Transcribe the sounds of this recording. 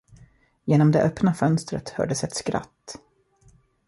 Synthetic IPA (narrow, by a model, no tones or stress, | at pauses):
jeːnɔmd̪ɛʔœpnafœnst̪ɾə̰t̪hœ̰ːɖəsɛt̪skɾa̰t̪ː